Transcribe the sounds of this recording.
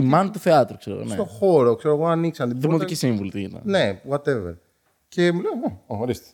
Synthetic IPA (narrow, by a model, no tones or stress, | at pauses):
imɐnit̪uθeɐt̪ɾukseɾo̰ɣo̰nset̪o̞xo̞ɾo̞kse̞ɾoɣo̞aniksɐnd̪ðimot̪ikisiɱvulit̪iit̪ɐ̰nne̞wat̪e̞veɾ | ce̞muleneoxoɾist̪e̥